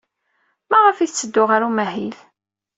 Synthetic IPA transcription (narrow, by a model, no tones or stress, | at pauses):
mæʁəfiθt͡sːəd̪ːʊʁaɾumæhil